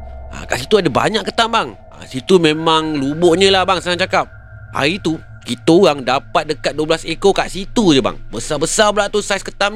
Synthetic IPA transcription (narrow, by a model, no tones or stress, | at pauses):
a̰kaʔsit̪uadaba̰ɲãʔkːət̪ambaŋ | a̰sit̪umẽmãŋluboʔɲə̃lahbaŋsəŋaʔt͡ʃakap̚ | ha̰ɾit̪u | kit̪ojaŋdapat̪̚dəkat̪̚duəblasekokaʔsit̪ud͡ʒəba̰ŋbəsabəsablaʔt̪usajskət̪am